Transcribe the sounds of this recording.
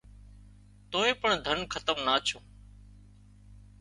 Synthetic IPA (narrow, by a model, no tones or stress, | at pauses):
t̪oːẽːpəɳd̪ʱənkʰət̪əmnaːt͡ʃʰõː